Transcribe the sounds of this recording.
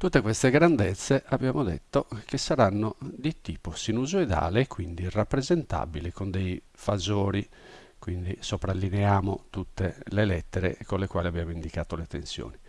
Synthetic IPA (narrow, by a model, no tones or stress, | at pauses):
t̪ut̪ːekwɛst̪eɡɾand̪ɛt̪sːɛʔabjaːmod̪ɛ̰t̪ːokesːaɾanːod̪it̪iːposinuzuɛd̪a̰ːleːkːwind̪irapːɾɛzɛnt̪a̰bilɛkond̪ej | fazoːɾi | kwind̪isopɾalːinɛaːmot̪ut̪ːelɛlɛt̪ːɛɾɛ̰konlɛkwaːliabjaːmoind̪ikaːt̪olɛt̪ensjo̰ːni